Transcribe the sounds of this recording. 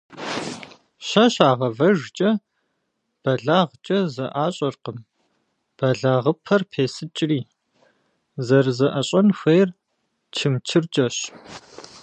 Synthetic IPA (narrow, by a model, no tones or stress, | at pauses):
ɕɐɕaːʁɐvɐʐt͡ʃʼɐ | b̥ɐɮaːʁt͡ʃʼɐzɐʔaːɕʼɐrqəm | b̥ɐɮaːʁəpʰɐrpʰeːsɨt͡ʃʼriː | zɐrzɐʔɐɕʼɐnxʷeːr | t͡ʃʰɨmt͡ʃʰɨrt͡ʃʼɐɕ